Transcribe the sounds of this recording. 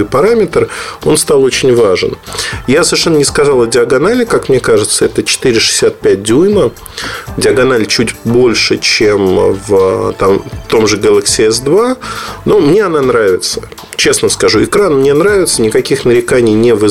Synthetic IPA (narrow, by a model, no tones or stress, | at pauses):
ɨjpɐɾamʲɪt̪ro̞nst̪alˠot͡ɕɪnʲvaʐɨ̰njasəvʲɪʂɛnːənʲɪskɐzalˠɐdʲɪɐɡɐnalʲɪkakmnʲekaʐɨt̪səɛt̪ət͡ɕɪ̥t̪ɨiɾʲɪʂɨ̥sʲːat̪̚pʲæt̚ʲd̪ʲujmə | dʲɪɐɡɐnalʲt͡ɕutʲbo̞lʲʂɨt͡ɕemvt̪amt̪o̞mʐɨɡəlˠəksʲɪɛs̬d̪vanomnʲe̞ɐn̪anɾavʲɪt̪sə̥ | t͡ɕe̞snəskɐʐuɪkɾanmnʲe̞nɾavʲɪt̪sənʲɪkɐkʲixnəɾʲɪkanʲɪjnʲevɨ